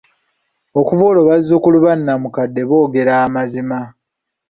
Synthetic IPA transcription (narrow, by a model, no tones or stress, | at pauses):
o̞kuvoloβazːukuluβanːamukadːe̞βo̞ːɡe̞ɾaːmazima